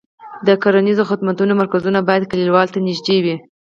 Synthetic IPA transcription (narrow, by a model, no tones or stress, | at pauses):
d̪əkaɾanizoxʊd̪mat̪unomaɾkazunabɑjad̪kalilwɑlt̪anɪʒd̪ewi